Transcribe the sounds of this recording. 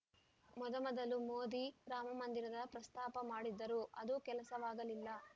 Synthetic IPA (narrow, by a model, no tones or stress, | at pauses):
mɔd̪ɐmɔd̪ɐlumoːd̪iɾaːmɐmɐnd̪iɾɐd̪ɐpɾɐst̪aːpɐmaːɽid̪ːɐɾuʔɐd̪ukɛlɐsɐʋaːɡɐlilːɐ